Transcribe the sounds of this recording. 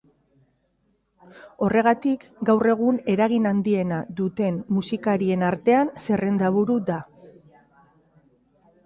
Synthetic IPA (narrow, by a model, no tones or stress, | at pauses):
o̞re̞ɣ̞at̪ikɡawre̞ɣ̞une̞ɾaɣ̞inand̪ie̞naðut̪e̞nmusikaɾie̞naɾt̪e̞anse̞re̞nd̪aβuɾud̪a